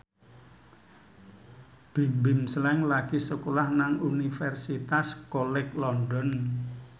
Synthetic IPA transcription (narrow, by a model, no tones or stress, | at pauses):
b̥i̤mbɪmslɛŋlaɡ̥isəkolahnaŋunifɛrsit̪askolɪklɔndɔn